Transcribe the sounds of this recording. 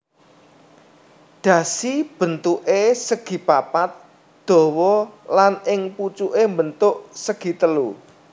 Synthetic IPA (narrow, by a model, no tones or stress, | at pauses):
ɖ̪̥ä̤sib̥ə̤nt̪uʔesəɡ̥i̤papat̪̚ | d̪̥ɔ̤wɔlanɪŋput͡ʃuʔembənt̪ʊʔsəɡ̥i̤t̪əlu